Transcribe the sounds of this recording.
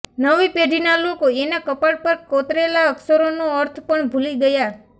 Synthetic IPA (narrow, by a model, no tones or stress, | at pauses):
nəʋipeɖʱinalokoenakəpaɽpəɾkot̪ɾelaəksəɾonũəɾt̪ʰpəɳbʱuliɡəja